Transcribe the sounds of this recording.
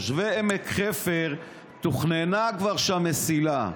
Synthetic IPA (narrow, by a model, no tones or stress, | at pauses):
ʃveemekχefeʁ | t̪uχnenakvaʁʃamesila